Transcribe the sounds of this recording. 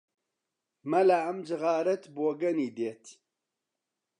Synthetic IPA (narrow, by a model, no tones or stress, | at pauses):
mɐlaɐmd͡ʒɨɣaːɾɐt̪boːɡɐniːd̪eːt̪